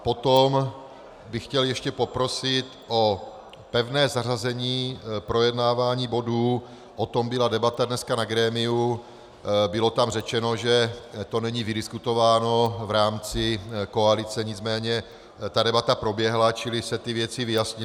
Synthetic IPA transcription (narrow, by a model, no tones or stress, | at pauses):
po̞t̪om | bɪxcɛljɛʃcɛpo̞pɾo̞sɪt̪ʔo̞ | pɛvnɛːzarazɛɲiːpɾo̞jɛdnaːvaːɲiːbo̞duː | ʔot̪o̞mbɪladɛbat̪adnɛskanaɡɾɛːmɪu | bɪlo̞t̪amrɛt͡ʃɛno̞ʒɛt̪o̞nɛɲiːvɪdɪskut̪ovaːno̞vɾaːmt͡sɪko̞alɪt͡sɛɲɪt͡smɛːɲɛ | t̪adɛbat̪apɾo̞bjɛɦlat͡ʃɪlɪsɛt̪ɪvjɛt͡sɪvɪjasɲɪ